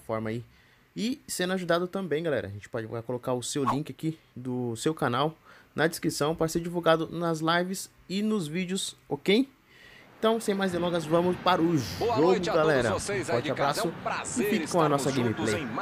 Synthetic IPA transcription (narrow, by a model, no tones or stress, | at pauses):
fɔɾmai | ɪsẽnʊaʒud̪ad̪ʊt̪ɐ̃mbẽj̃ɡalɛ̰ɾɐ̰ʒẽt͡ʃɪ̥pɔd͡ʒɪv̰ajkolokaɾʊsewlĩkɪaki | d̪ʊsewkanawnɐd͡ʒɪskɾisɐ̃w̃pɔɾseɾd͡ʒivuwɡad̪ʊnɐzlajvɪs | ɪnʊzvid͡ʒʊsokej | ẽt̪ɐ̃w̃sẽj̃majzd̪elɔ̃ɡɐzvɐ̃mʊspaɾɐʊʒoɡʊɡalɛɾɐfɔɾt͡ʃabɾasʊɪfikɪ̥kõɐnɔsɐɡẽmiplej